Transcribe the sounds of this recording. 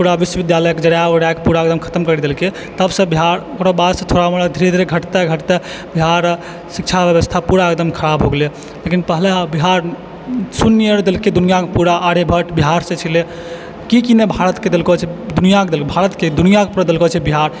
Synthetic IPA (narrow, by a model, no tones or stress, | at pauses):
puɾabiswəbid̪jaləjked͡ʒəɽjaəɽakepuɾaek̚d̪əmkʰə̥t̪əmkəɾid̪elke | t̪əbsə̃biɦaɾ | oɽəbad̪sə̃t̪ʰoɾamelad̪ʱiɾed̪ʱiɾeɡʱəʈt̪eɡʱəʈt̪e | biɦaɾ | sik̚t͡ʃʰabjəβəst̪ʰapuɾaek̚d̪əmkʰəɾabɦoɡele | lekinpəɦlebiɦaɾ | sunːiəɾd̪elked̪unijakepuɾaʔːɽebʱəʈbiɦaɾsẽt͡ʃʰile | kikinebʱaɾət̪ked̪elkot͡ʃʰɛd̪unijaked̪elkebʱaɾət̪ked̪unijakepuɾad̪elkot͡ʃʰɛbiɦaɾ